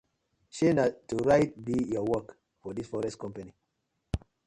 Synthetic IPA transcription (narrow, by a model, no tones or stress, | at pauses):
ʃenatuɹajt̚bijɔwɔk | fɔdisfɔɹɛstkɔ̃mpani